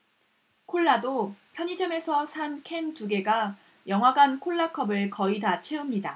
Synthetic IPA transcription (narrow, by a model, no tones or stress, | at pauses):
kʰoɭːadopʰjʌɲid͡ʑʌme̞sʰʌsʰankʰe̞ntuɡe̞ɡa | jʌŋɦwaɡankʰoɭːakʰʌbɯɭkʌidat͡ɕʰe̞ɯmɲida